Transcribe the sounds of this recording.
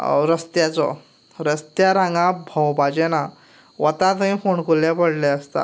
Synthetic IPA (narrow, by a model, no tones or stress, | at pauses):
ɾəst̪jat͡sɔ̰ | ɾəst̪jaɾãŋɡãbʱəwbad͡ʑɛna | ʋət̪ãt̪əĩfoɳkuljapəɽlɛəst̪a̰